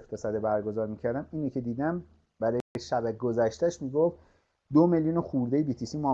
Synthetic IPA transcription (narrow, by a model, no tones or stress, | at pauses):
ft̪esæd̪ebæɾɡo̞zɒːɾmiːcʰæɾd̪æmiːnicʰed̪iːd̪æm | bæɾɒjeʃæbæɡozæʃt̪æʃmiːɡoft̪ | d̪omeljuːnoxuːɾd̪ejebiːt̪ʰisimɒ